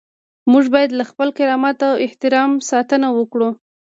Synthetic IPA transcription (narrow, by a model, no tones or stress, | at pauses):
muʒbɑjad̪laxpəlkɪɾɑmɑt̪aɪht̪ɪɾɑmsɑt̪ənawəkɽu